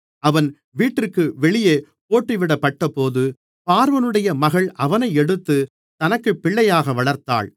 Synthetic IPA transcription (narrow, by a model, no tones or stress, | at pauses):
ɐʋɐn | ʋiːʈːɪrkːɯʋɛɭɪjeː | poːʈːiʋɪɽɐpːɐʈːɐpoːðɯ | paːɾʋɐnɯɽɐjɐmɐɣɐɭʔɐʋɐnɐɪɛɽɯt̪ːɯ | t̪ɐnɐkːɯpːɪɭːɐjaːɣɐʋɐɭɐɾt̪a̰ːɭ